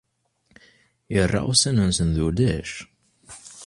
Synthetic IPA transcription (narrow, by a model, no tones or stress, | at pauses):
jərˤːɑ̰sænənsənðud̪æʃ